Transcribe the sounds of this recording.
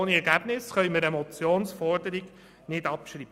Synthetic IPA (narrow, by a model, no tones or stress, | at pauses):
niɛɾɡæb̥nɪsχœʏməɾɛmɔt͡sjoːnsfɔɾdəɾiɡ | nɪdɑpʃɾiːbə